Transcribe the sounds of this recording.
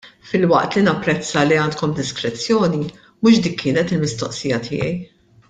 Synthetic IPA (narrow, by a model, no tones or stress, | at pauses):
fɪlwɐʔt̪linɐpːɾɛt͡sːɐliɐːnt̪kɔmd̪ɪskɾɛt͡sːjɔːni | mʊʃd̪iːkʰːɪːnɛt̪ɪlmɪst̪ɔʔsiːjɐt̪ʰɪ̰ːjɛ̰j